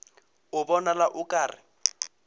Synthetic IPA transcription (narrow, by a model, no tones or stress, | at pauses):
ʊbɔnalaʔʊkʼaːrɪ